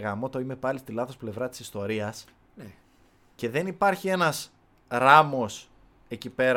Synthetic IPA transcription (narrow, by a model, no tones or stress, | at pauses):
ɣɐmo̞t̪oime̞pɐlist̪ilɐθo̞sple̞vɾɐt̪i̥sist̪o̞ɾiɐs | n | ce̞ðe̞nipɐɾçie̞nɐs | ɾɐmo̞s | e̞cipe̞ɾ